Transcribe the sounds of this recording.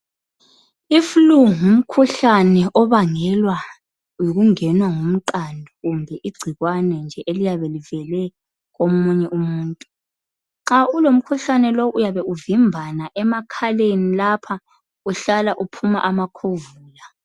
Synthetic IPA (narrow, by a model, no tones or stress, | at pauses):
ifuluŋum̩kʰuɬanɛʔɔβaŋɛlwa | jiɣuŋɛnwaŋum̩ǃandʱɔɣumbʱɛʔiɡ͡ǀʱiɣwanɛnd͡ʒʱɛʔelijaβɛlivɛlɛ | ɣomuɲɛʔumuːntʼu | ǁaulom̩kʰuɬanɛloʔujaβɛuvimbʱanaʔɛmakʰalenilapʰa | uɬalaʔupʰuma̰ʔamakʰovuːla